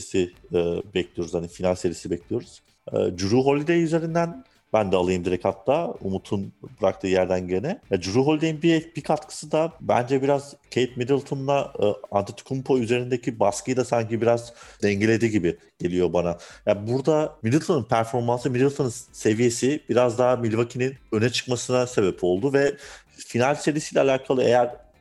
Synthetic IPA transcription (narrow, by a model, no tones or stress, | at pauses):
sibɛclʲijo̞ɾuzhanifinalʲsevijisibɛclijo̞ɾuz̥ | ɯ̰ːd͡ʒuɾuːɦo̞lʲid̪eiyze̞ɾind̪æn | bænd̪ɛalˠajɯmd̪iɾɛkʰat̪lˠaumut̪ʰunbɯɾak̚t̪ʰɯːjæɾd̪ænɟenɛjad͡ʒuɾuːɦo̞lʲid̪ejimbibikʰat̪kʰɯ̥sɯd̪abæ̰nd͡ʒɛbiɾaz̥cʰejt̪mid̪ilˠt̪ʰonlˠaant̪ʰit̪ʰu̥kʰumpʰoyzeɾind̪ecʰibaskɯjd̪asaɲcibiɾazd̪ɛɲɟelʲe̞d̪iɟibi | ɟ̥e̞lʲijo̞banajabuɾd̪amid̪ilˠt̪ʰonɯnpʰæɾfo̞ɾmansɯmid̪ilʲˠt̪ʰonɯnse̞vije̞sibiɾazd̪aɦamilʲvacʰininø̞nɛt͡ʃʰɯ̥kmasɯnase̞bɛpʰo̞lˠd̪uvɛ | finalʲse̞visijlʲɛalʲaːkʰalˠɯḛjæɾ̥